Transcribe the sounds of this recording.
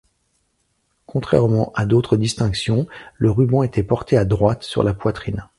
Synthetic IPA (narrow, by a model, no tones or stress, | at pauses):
kʰɔ̃t̪χɛ̰ʁmɑ̃ʔad̪ot̪χəd̪ist̪ɛ̃ksjɔ̃ləʁybɑ̃et̪ɛpɔʁt̪ead̪ʁwat̪sy̰ʁlapwat̪χin